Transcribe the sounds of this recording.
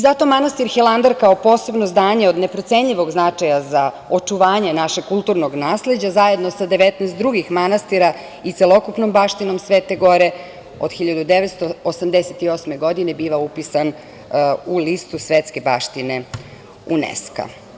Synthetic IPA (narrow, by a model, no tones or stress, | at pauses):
izat̪o̞manast̪iɾxelˠand̪aɾkaopo̞ːse̞bnozd̪aːɲeo̞d̪ne̞pɾot̪se̞ɲʎiʋo̞ɡznat͡ʂajaza | ot͡ʂuʋaːɲenaʃeɡ̚kulˠt̪uːɾnoɡnaːsled͡ʑazaje̞d̪no̞sad̪eʋet̪nɛːst̪d̪ɾuɡixmanast̪iɾa | it̪selo̞kupnombaʃt̪ino̞msʋeːt̪eɡo̞ɾe | o̰d̪xiʎad̪ud̪eʋet̪st̪oosamd̪eset̪io̞sme̞ɡo̞d̪inebiːʋaupisan | ulist̪usʋet̪ske̞ba̰ːʃt̪ine | unḛska̰